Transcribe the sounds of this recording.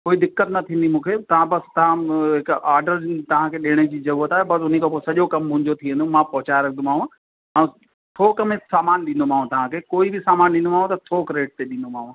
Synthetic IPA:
koːid̪ɪkːət̪nɐt̪ʰĩːnd̪imũːkʰet̪ɐʋ̤ãbɐst̪ɐʋ̤ãɦɪkʔaːɾɖəɾt̪ɐʋ̤ãkʰeːɗeːɽ̃ed͡ʑiːzɐɾuːət̪aːɦebɐsʊn̤ekʰeposɐʄokɐmːʊ̃ɦɪ̃ɲd͡ʑot̪ʰiẽnd̪ũmãpɐɦʊt͡ɕaːɾɐkʰnd̪omaːɦũ | ɛ̃ː | t̪ʰoːkɐmẽsaːmaːnɗĩːn̆d̪omãːũt̪ɐʋ̤ãkʰeːkoːibɪsaːmaːnɗĩnd̪omaːɦũt̪ɐt̪ʰoːkɾeːʈ̚t̪eɗĩːnd̪omãːɦũ

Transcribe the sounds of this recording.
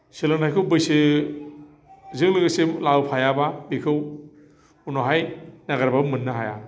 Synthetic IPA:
selantʰajkʰɯwbɯjsɯ | zɯŋlɯɡɯsemlawpʰajababikʰɯw | unoɦajnaɡaɾbabmɯnːaɦaja̰

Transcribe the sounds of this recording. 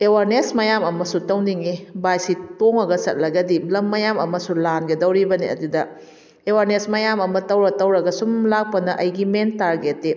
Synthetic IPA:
ewaɾnesmɐjamɐmɐsutɐwniŋibajsitoŋɐɡɐsɐt̚lɐɡɐdilɐmːɐjamɐmɐsulanɡedɐwɾibɐniɐ̰dudɐ | ewaɾnesmɐjamɐmɐtɐwɾɐtɐwɾɐɡɐsumlak̚pɐnɐʔɐjɡimentaɾɡetːe

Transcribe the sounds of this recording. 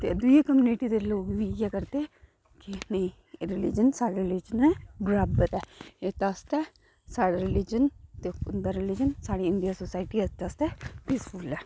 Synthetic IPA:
t̪ed̪uekəmjuniʈid̪eloːɡbiɡɛkəɾt̪e | kinɐĩ | eɾɪlid͡ʒənsaːɽaɾɪlid͡ʒənɛɡɾaːbət̪ɛːet̪ast̪ɛ | saːɽaɾɪlid͡ʒənt̪eʊnd̪aɾɪlid͡ʒənsaːɽeɪɳɖijasosaːɪʈiɛt̪ast̪ɛpisfulɛː

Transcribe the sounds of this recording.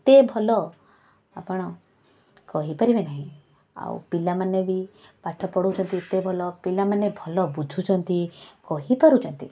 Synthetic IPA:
t̪ebʱɔlɔ | a̰pɔɽ̃ɔ | kɔɦipɔɾibenaɦĩ | a̰w̰pilamanebipaʈʰɔpɔɽut͡ʃʰɔnt̪it̪ebʱɔlɔpilamanebʱɔlɔbud͡ʒʱut͡ʃʰɔnt̪ikɔɦipɔɾut͡ʃʰɔnt̪i

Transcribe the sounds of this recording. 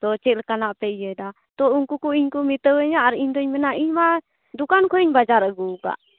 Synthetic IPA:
t̪ɔt͡ʃɛlkanaʔpɛijɛd̪a | t̪ɔuŋkukuiɲkumit̪əwɛɲaʔaɾiɲd̪ɔɲmɛnaʔiɲma | d̪ukankʰɔiɲbad͡ʒaɾəɡuka̰ʔ

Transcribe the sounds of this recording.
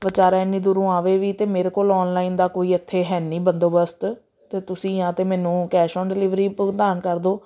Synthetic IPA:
ʋət͡ʃaːɾaːɪnːiːd̪ʊɾũːaːʋeːʋiːt̪eːmeːɾeːkoːlɔːnlaːind̪aːkoːiːət̪ʰːeːɦɛːniːbənd̪oːbəst̪ | t̪eːt̪ʊsĩːãːt̪eːmɛːnũːkɛːʃɔ̃ːnɖɪlɪʋɾiːpd̪aːnkəɾd̪oː

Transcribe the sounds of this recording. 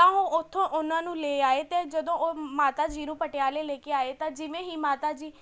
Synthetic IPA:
t̪ãːoːʊt̪ʰːõːʔʊnãːnũːleːaːeːt̪eːd͡ʒəd̪õːoːmaːt̪aːd͡ʒiːnũːpəʈɪjaːleːleːkeːaːeːt̪ãːd͡ʒɪʋẽːɦiːmaːt̪aːd͡ʒiː

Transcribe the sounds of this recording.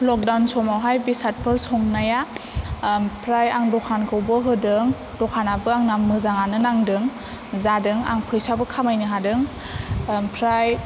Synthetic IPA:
lɔk̚dawnsɔmawɦajbisat̚pʰɯɾsɔŋnaja | pʰɾajaŋdɔkʰankʰɯwbɯɦɯdɯŋ | dɔkʰanabɯaŋnammɯzaŋanɯnaŋdɯŋ | zadɯŋa̰ŋpʰɯjsabɯkʰamajnɯɦadɯŋ | pʰɾaj

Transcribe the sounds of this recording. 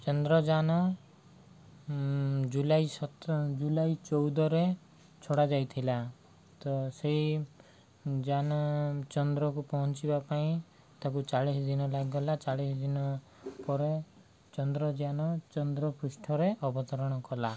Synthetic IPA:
t͡ʃɔnd̪ɾɔd͡ʒanɔ | d͡ʒulajsɔt̪d͡ʒulajt͡ʃɔwd̪ɔɾe | t͡ʃʰoɽad͡ʒajt̪ʰila | t̪ɔsei | d͡ʒanɔt͡ʃɔnd̪ɾɔkupɔɦɔnt͡ʃibapaĩ | t̪ak̬ut͡ʃaɭisd̪inɔlaɡɔlat͡ʃaɭisd̪inɔ | pɔɾe | t͡ʃɔnd̪ɾɔd͡ʒanɔt͡ʃɔnd̪ɾɔpusʈʰɔɾeʔɔbɔt̪ɔɾɔɽ̃ɔkɔla

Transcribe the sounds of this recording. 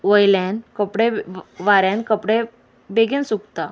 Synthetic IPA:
ʋəjlenkəpɽeʋaɾãnkəpɽe | beɡẽnsukt̪a

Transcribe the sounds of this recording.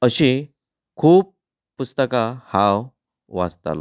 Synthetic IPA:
əɕi | kʰuːp̚ | pust̪əkahãw | ʋa̰st̪a̰l

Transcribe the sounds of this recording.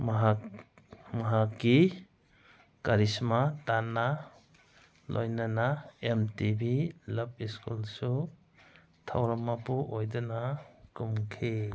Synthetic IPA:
mɦa | maɦakːi | kaɾismatanːa | lʔo̰jnanaemtibilap̚iskulsu | tʰa̰wɾamapuʔojdɔnakumkʰe

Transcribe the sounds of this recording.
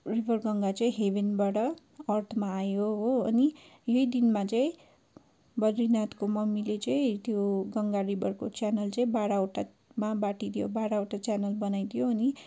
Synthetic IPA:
ribʱʌrɡʌŋɡat͡sʌĩɦebinbaɽʌ | ʌrt̪ʰmaːjoɦoʌnijʌid̪inmat͡saĩ | bʌdrinat̪komʌmːilet͡sʌĩt̪joɡʌŋɡaribʱʌrkot͡sjanʌlt͡sʌĩbaɽaoʈa | mabaʈid̪ijobaɽaoʈat͡sjanʌlbʌnajt̪ʰijoːni

